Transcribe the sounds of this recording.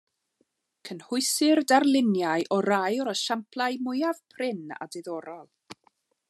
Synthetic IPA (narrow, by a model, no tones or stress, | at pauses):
kʰənhʊɨsɪrdarlˠɪnjajʔɔɾajɔɾəʃampʰlˠajmʊjav̥pʰrɪna̰dɪðɔɾɔlˠ